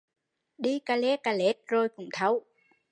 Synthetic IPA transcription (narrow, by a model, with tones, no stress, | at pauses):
ɗi˧kaː˧le˦ka˧le˨˦˥t̚zo˧jkʊ̰˧˩˦ŋ͡mt̪ʰə˨˦w